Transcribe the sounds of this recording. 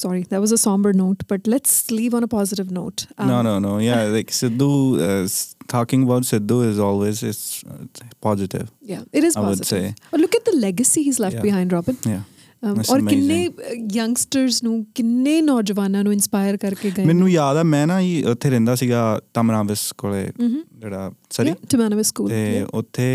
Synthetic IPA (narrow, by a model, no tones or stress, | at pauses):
sɔːɾid̪æʈwɔːzəsɔ̃ːmbəɾnoʊʈb̥ɐʈlɛʈsliːʋə̃nəpɔːzɪɾɪʋnoːʈnoːnoːnoːjalaɪksɪd̪uː | tʰɔːkɪ̃ŋɡəbaʊʈsɪd̪uːɪzɔːlweːzɪsɪ̰pɔːzɪʈɪ̰ʋjaːɪɾɪzaɔʊdɪseːɔːlʊkɛʈ̚d̪əlɛɡəsiːɦiːzlɛfʈbɪɦãɪ̃nɖɾɔːbɪ̃nja | ɔːɾɪnːeːjə̃ŋɡsʈəɾznũːkɪnːeːnɔːd͡ʒəʋaːnãːnũːɪ̃nspaːɪəɾkəɾkeːɡəmɛ̃nːũːjaːd̪ɛːmɛ̃ːnãiːʔʊt̪ʰːeːɾɛ̃ːnd̪aːsiːɡaːt̪əmnãːʋɪskoːɭeːd͡ʒeːɽaːsəɾiʈʊmæːnəʋəskuːlt̪eːʊ̰t̪ʰːeː